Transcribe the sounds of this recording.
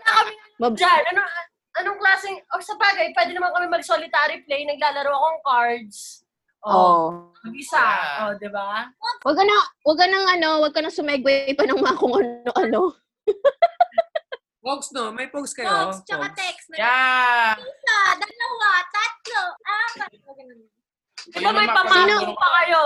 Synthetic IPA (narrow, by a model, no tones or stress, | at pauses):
ɐkɐmɪ | mɐbd͡ʒanɐno | ʔɐnoŋklaːsɪŋosɐbaːɡɐjpwɛːd̪ɛnɐmɐnkɐmɛmɐɡsolɪt̪aːɾɪplɛjnɐɡ̚laːlɐɾawɐkoɐŋkaɹd̪s | ʔo | ɐɪsaʔod̪ɪbawɐɡ̚kːɐnɐwɐɡ̚kɐnɐŋʔɐno̞wɐɡ̚kɐnɐsʊmɛɡwɛjpɐnɐŋmaɐkʊŋʔɐnoʔɐno | poksnomɐjpokskɐjot͡ʃɐkat̪ɛksja | sad̪ɐlɐwat̪at̪̚loʔapɐ | ɐɡɐn | d̪ɪbamɐjpɐmanopɐkɐjo